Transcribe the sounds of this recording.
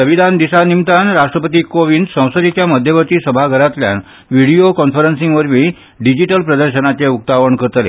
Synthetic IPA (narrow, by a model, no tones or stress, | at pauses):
səʋid̪ʱand̪isanimt̪anɾaʂʈɾəpət̪iːkoʋind̪sə̃w̃sət̪it͡ɕjaməd̪ʱjəʋət̪iːsəbʱaɡʱəɾat̪lja̰n | ʋiɽiokɔnfəɾənsĩŋɡʋəɾʋiː | ɖid͡ʑiʈəlpɾəd̪əɾɕənat͡ɕeuk̚t̪aʋəɳkəɾt̪lḛ